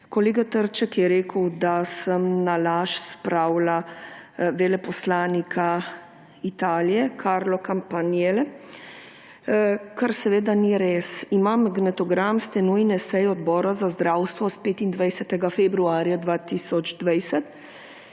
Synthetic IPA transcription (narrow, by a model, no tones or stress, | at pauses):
kɔleːɡat̪əɾt͡ʃɛkjɛɾeːkəwd̪asəmnalaːʃspɾaːwla | ʋelɛpɔslaːnikʰa | it̪aːlijɛkʰaɾlɔkampanjelɛ | kaɾsɛʋeːd̪aniɾeːsimamɡnɛt̪ɔɡɾamst̪ɛnujnɛsɛjɔd̪bɔːɾazazd̪ɾaːwst̪ʋɔspeːt̪ind̪ʋɛjsɛt̪ɛɡafɛbɾuaːɾjad̪ʋaːt̪isɔd͡ʒd̪ʋajsɛt̪